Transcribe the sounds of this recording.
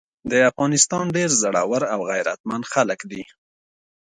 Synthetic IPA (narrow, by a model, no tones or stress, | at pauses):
d̪əafɣɑnɪst̪ɑnɖeɾzaɽɑ̰waɾawɣajɾa̰t̪̚mand̪xaləkd̪i